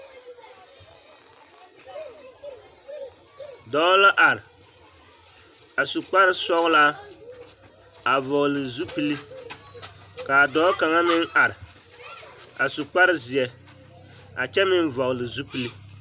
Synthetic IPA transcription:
dɔː˦la˦ʔa˨ɾɪ˨ | a˨su˨k͡pa˦ɾɪ˦sɔ˦ɣla˦ | a˨vɔ˨ɣlɨ˨zu˦pi˦li˦ | ka˨dɔː˦ka˨ŋa˦mɪ˦ŋa˨ɾɪ˨ | a̰˨su˨k͡pa˦ɾɪ˦zɪ˨ɛ˨ | a˨t͡ʃɛ˦mɪ˦n˦vɔ˨ɣlɨ˨zu˦pi˨li˦

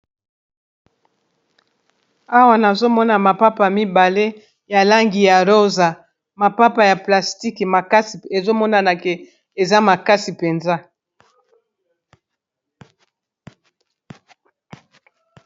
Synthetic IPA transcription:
a˦wa˨na˨zo˦mɔ˦na˨ma˨pa˦pa˨mi˦ba˨le˦ | ja˨la˦ŋɡi˨ja˨ʁo˦za˨ | ma˨pa˦pa˨ja˨pla˨sti˦kma˨ka˦si˨e˨zo˦mɔ˦na˨na˨ke˨ | e˨za˦ma˨ka˦si˨pe˨nza˦

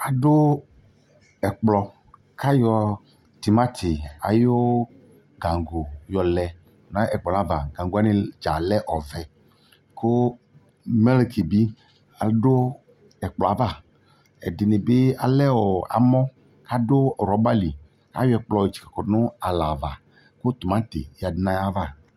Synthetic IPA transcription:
a˨ɖo˦ | ɛ˨k͡plɔ˨ | kʰa˦jɔ˨ | t̪i˨ma˦t̪ʰe˨a̰˨jo˦ | ɡã˨ŋɡo˨jɔ˨lɛ˨ | nã˦ɛ˨k͡pɔ˨na˦va˨ɡã˨ŋ˨ɡo˨a˦ne˨d͡ʒa˨lɛ˦ʔɔ˨vɛ˨ | ko˦ | mɛ˦le˨kʰi˨bi˦ | a˨do˦ | ɛ˨k͡plɔ˨a˨˦va˦˨ | ɛ̰˨dɪ˨ne˨be˦a̰˨lɛ˦wɔ˨a̰˨mɔ̃˦ | ka˦do˦˨ɾɔ˨˦ba˦li˨ | ka̰˦jɔ˦ɛ˨k͡plɔ˨e˨t͡ʃi̥˨kḁ˨kɔ˨nʊ̃˦a˨la˨va˨ | ko˦t̪o˨mã˦t̪ḛ˨ja˨dɪ˨˦nã˦ja˦va˦˨

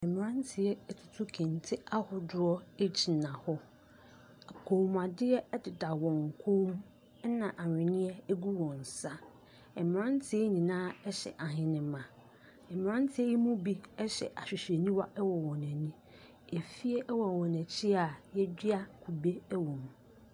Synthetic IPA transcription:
ɛ˨mɪ̃˨ã˦n˦tʰɪ˨ɛ˦ɛ˦tʰʊ˨tʰʊ˦kʰĩ˨ntʰɪ˦a˦hɔ˨dʊ˦ɔ˦e˦t͡ɕʰi˨nã˨hɔ˦ | a˨kʰo˨m˨a˨dɪ˦ɛ˦ɛ˦dɪ˨da˨wɔ̃˨ŋ˨kʰo˦m˦ | nã˨ʔa˨ɲᶣ˨ɪ̃˨nɪ̃˦ɛ˦æ˦ɡu˦wɔ̃˨n˨sa˦ | ɛ˨mɪ̃˨ɾã˦n˦tʰɪ˦ɛ˦nĩ˨nãː˦ɛ˦ɕɛ̰˨ʔa˨ɦɪ̃˦nɪ̃˨mã˨ | ɛ˨mɪ̃˨ɾã˦n˦tʰɪ˦ɛ˦ji˦mũ˦bi˦ɛ˦ɕɛ̰˨ʔa˨ɕᶣɪ˨ɕᶣe˨nĩ˦wa˦ʔɛ˦wɔ˨wɔ̃˨næ̃˨nĩ˦ | e˨fi˦e˦ʔɛ˦wɔ˨wɔ̃˨næ˨t͡ɕʰi˦a˨jɛ˦d͡ʑᶣɪ˦a˦kʰu˨be˦ɛ˦wɔ̃˨m˨

